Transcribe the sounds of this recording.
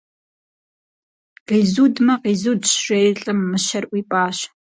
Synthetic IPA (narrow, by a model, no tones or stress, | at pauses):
qizudmɐqizudʃʃejrɬʼɨmːɨʃɐrʔʷwipʼaːʃ